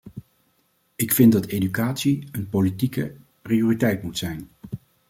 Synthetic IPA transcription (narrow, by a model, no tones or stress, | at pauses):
ɪkfɪndɑtejdykaːtsiənpolitikə | prijoːritɛjtmutsɛjn